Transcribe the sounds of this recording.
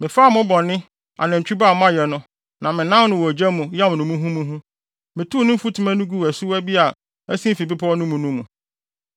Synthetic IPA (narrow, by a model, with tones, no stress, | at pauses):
mɪ̃˨faː˦˨mʊ̃˦bɔ̃˨nːɪ̃˦ | a̰˨nã˨ɲ̩˨t͡ɕᶣi˦ba˦˨m˦ã˦jɛ˨nʊ̃˦ | nã˨mɪ̃˨nã˦m˦nʊ̃˨wɔ˨d͡ʑɛ˦mʊ̃˨jɛ˦mʊ̃˨nʊ̃˨mũ˦ɦũ˦mũ˦ɦũ˦ | mɪ̃˨tʰu˦˨nʊ̃˦m̩˦fu˦tʰu˦mæ̃˦nʊ̃˦ɡu˦˨æ˨su˦æ˦bi˦a˨ | æ˦sĩ˦fi˨bi˦pʰɔ˦ɔ˦nʊ̃˦mũ˨nũ˦mũ˨